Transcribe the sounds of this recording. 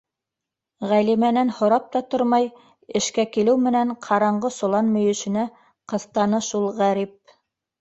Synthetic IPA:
ʁælimænænhŏɾɑp̚t̪ɑt̪oɾmɑj | ɘ̆ʃkækilɘwmɘ̆næɴqʰɑɾɑɴɢɤsŏlˠɑnmɵ̆jɵ̆ʃɘ̆næ | qɤ̆θt̪ɑnɤʃulˠʁæɾip̚

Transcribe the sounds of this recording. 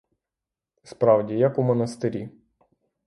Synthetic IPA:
spɾɑwdʲijɐkumɔnɐst̪ɪɾʲi

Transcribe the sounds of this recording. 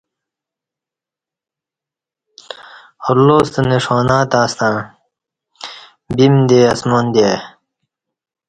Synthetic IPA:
oɾloːst̪neʂoːnaːt̪aːst̪ãː | bimd̪eːɐsmond̪e

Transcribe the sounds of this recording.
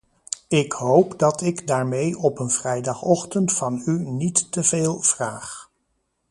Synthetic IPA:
ɪkɦowpdɑtɪɡdaːɹmejɔpənvrɛjdɑχɔχtəntfɑnynitːəveːlˠv̥raːχ

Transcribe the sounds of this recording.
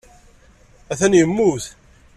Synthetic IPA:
æθænjəmːuθ

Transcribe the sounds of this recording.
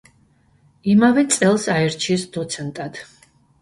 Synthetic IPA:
imavɛt̪sʼɛlˠsaɛɾt͡ʃʰiɛsd̪ɔt̪sʰɛnt̪ʼad̪̥

